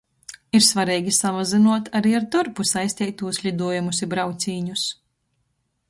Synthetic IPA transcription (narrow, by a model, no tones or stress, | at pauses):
iɾsvaɾɛːɡʲisamazinuɔt̪aɾiːaɾd̪uɾpusajsʲt̪ʲɛjt̪ːuːslʲid̪uɔjamusibɾawt̪sʲiːɲus